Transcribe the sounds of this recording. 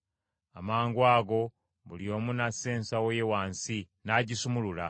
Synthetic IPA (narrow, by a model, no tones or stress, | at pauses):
amaːŋɡwaːɡo̞ | βuljo̞ːmunase̞ːnsawejewaːnsi | naɟisumulula